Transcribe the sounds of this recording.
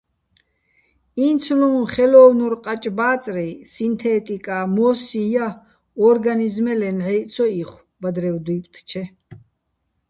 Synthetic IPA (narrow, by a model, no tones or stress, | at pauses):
int̪sʰlɔmχɛlɔvnuɾqʼat͡ʃʼbaːt͡s̪ʼɾisint̪ʰɛt̪ʼikʼamɔsija | ɔɾɡanizmɛlɛnʕɛt̪sʰɔiχw | bad̪ɾɛwd̪wipʼt̪ʰt͡ʃʰɛ